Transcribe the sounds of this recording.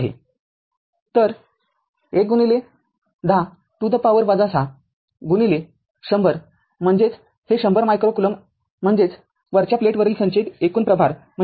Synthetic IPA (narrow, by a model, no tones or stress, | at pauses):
ɦḛ | t̪əɾ | ek̚ɡunile | d̪ʱa | ʈ̪ud̪əpaʋəɾʋad͡zasa | ɡunile | ɕəmbʱəɾ | m̤əɳd͡zet͡s | heɕəmbʱəɾmajkɾokuləm̤ː | əɳd͡zet͡s | ʋəɾt͡ɕjapleʈʋəɾilsə̃nt͡ɕet̪ekuːnpɾəbʱaɾ | m̤ə